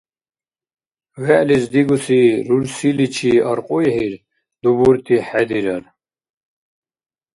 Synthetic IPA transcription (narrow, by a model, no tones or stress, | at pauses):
ɣɛʔlizd̪iɡusiɾuɾsilit͡ʃʰiɐɾqʼujhiɾ | d̪ubuɾt̪ʰiħɛd̪iɾɐɾ